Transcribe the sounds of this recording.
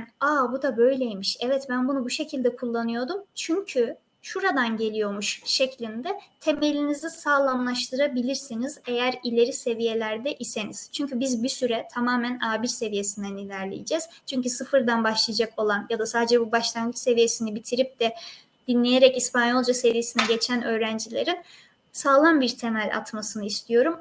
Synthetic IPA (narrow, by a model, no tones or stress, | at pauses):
aːbud̪abø̞jlʲejmiʃɛvɛt̪bænbunubuʃe̞cʰilʲd̪ɛkʰulˠːanɯjo̞d̪umt͡ʃʰyɲcʰy | ʃuɾad̪anɟe̞lʲijo̞muʃʃe̞clʲind̪ɛt̪ʰe̞me̞lʲinizisaːlˠamlˠaʃt̪ʰɯɾabilʲiɾsinize̞jæɾilʲe̞ɾise̞vije̞lʲæɾd̪ɛʔise̞niz̥t͡ʃʰyɲcybizbisyɾɛt̪ʰamaːmænaːbiɾse̞vije̞sind̪ænilʲæɾlʲejid͡ʒɛz̥t͡ʃʰyɲcysɯfɯɾd̪anbaʃlˠɯjad͡ʒako̞lˠanjad̪asaːd̪ed͡ʒɛbubaʃlˠanɡɯt͡ʃse̞vije̞sinibit̪ʰiɾip̚d̪ɛ | d̪̥inlːʲejeɾɛcispʰanjo̞lˠd͡ʒase̞vije̞sinɛɟe̞t͡ʃʰænø̞ːɾænd͡ʒilʲe̞̰ɾin | saːlˠanbiɾt̪ʰe̞mælʲa̰t̪masɯnɯist̪ʰijo̞ɾum